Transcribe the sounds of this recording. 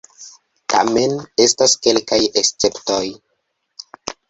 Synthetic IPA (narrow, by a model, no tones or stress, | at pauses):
ta̰me̞ne̞staske̞lkajest͡se̞pto̞j